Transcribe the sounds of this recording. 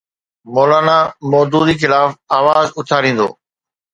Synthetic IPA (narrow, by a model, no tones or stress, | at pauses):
mɔːlaːnamɔːd̪uːd̪ixɪlaːfaːʋaːzʊt̪ʰaːɾĩːnd̪o̰ː